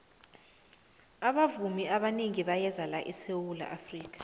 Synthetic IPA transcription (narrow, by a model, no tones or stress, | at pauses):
aɓavumiaɓaneŋiɓajɛzalaʔisewula̰ʔafriːk̬ḁ